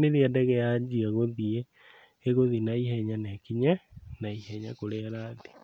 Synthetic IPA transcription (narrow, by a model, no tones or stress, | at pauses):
neðiɛdɛɣɛjad͡ʒiaɣoðie | eɣoðinaihɛɲanɛakiɲanaihɛɲakoɾeaɾaði̥